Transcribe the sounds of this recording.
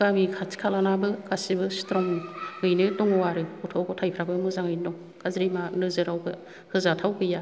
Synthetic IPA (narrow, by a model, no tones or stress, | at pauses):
ɡamikʰatʰi̥kʰalanabɯkasibɯstɾɔŋŋɯjnɯtɔŋɔwaɾɯutʰɔkɔtʰajpʰɾabɯmɯzaŋɯjndɔŋ | kazɾimanɯzɯɾawɡɯ | hɯzatʰawɡɯja